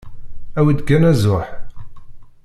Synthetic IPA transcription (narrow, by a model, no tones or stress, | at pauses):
æwid̪ɡænæzʊħ